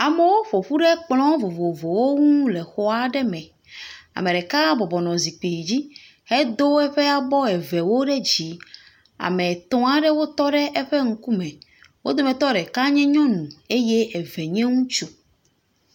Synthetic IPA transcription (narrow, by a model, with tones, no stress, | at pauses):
a˨me˦wo˦ɸo˨ɸu˦ɖɛ˦k͡plɔ̃˦vo˨vo˨vo˨wo˦ŋũ˦lɛ˨xɔ˦a˦ɖɛ˦mɛ̃˨ | a̰˨mẽ˨ɖɛ˨ka˦bɔ˨bɔ˨nɔ̃˨zi˨k͡pi˨d͡ʑi˦ | hɛ˦d̪o˦ɛ˦ɸɛ˦a˨bɔ˦ɛ˨vɛ˨wo˦ɖɛ˦d͡ʑi˨ | a̰˨mɛ˨t̪ɔ̃˦a˨ɖɛ˦wo˦t̪ɔ˦ɖɛ˦ʔɛ˦ɸɛ˦ŋ̩˦ku˦mɛ̃˨ | wo˦d̪o˦mɛ̃˨t̪ɔ˦ɖɛ˨ka˦ɲɛ̃˦ɲɔ̃˦nũ˨e˦je˦ɛ˨vɛ˨ɲɛ̃˦ŋũ˦t͡ʃu˦